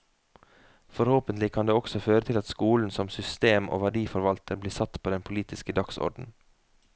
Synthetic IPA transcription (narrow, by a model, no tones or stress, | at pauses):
fɔɾhoːpənt̪lɪkʰɑnd̪eːɔksɔføːɾət̪ʰɪlɑt̪skuːln̩sɔmsʏst̪eːmʔo̰ːʋɑɖiːfɔɾʋɑlt̪ʰəbliːsɑt̪pʰoːd̪ɛnpʰʊliːt̪ɪskəd̪ɑksɔ̰ɾɖn̩